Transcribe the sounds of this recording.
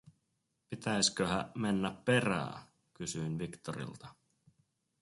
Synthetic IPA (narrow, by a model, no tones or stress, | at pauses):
pit̪æjskøɦæmenːæppe̞ɾæ̰ː | kysyinʋikt̪oɾḭlt̪ɑ